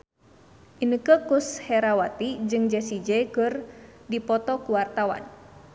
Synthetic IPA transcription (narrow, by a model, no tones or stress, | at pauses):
ʔinəkəkushɛɾawat̪id͡ʒɨŋd͡ʒɛsid͡ʒɛkɨrdipɔt̪ɔkuwart̪awa̰n